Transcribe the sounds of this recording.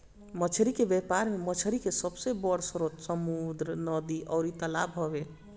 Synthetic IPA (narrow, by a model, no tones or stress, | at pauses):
mət͡ʃʰɾikebjepaɾmemət͡ʃʰɾikesəbsebɔɽsəɾot̪səmud̪ɾənəd̪iʔɔʊɾit̪əlabɦɔbe